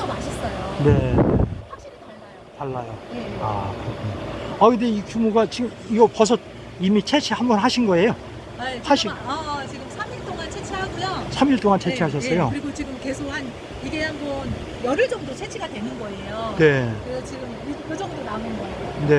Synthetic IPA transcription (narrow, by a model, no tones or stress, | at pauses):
ʌmaɕʰʌs͈ʌjone̞ | aɕʰi | taɭːajoea̰kɯɾʌkʰuɲoʌindeikumuɡat͡ɕiɡɯmiɡʌpʌs̬ʰʌ | imit͡ɕʰe̞t͡ɕʰehambʌnɦaɕʰinɡʌe̞jo | haɕʰiat͡ɕiɡɯmsʰamiɭt͈oŋant͡ɕʰet͡ɕʰeɦaɡujosʰamiɭt͈oŋant͡ɕʰe̞eɦaɕ̬ʰʌs͈ʌjoɯɾiɡot͡ɕiɡɯmke̞sʰokʰan | iɡehambʌn | jʌɾɯɭd͡ʑʌŋdot͡ɕʰet͡ɕʰiɡadwe̞nɯnɡʌejone̞kɯɾesʰʌt͡ɕiɡɯmkɯd͡ʑʌŋdonaonɯnɡʌione̞